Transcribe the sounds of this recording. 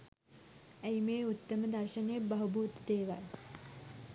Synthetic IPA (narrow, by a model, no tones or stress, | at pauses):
æjmeːut̪ːəməd̪ɐrʃənjebɐɦubuːt̪d̪eːʋa̰l